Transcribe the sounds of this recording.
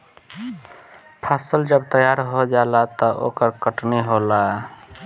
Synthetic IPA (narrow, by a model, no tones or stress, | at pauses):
pʰasəld͡ʒəbt̪əjaɾɦod͡ʒalat̪ɔʔo̰kəɾkəʈniɦola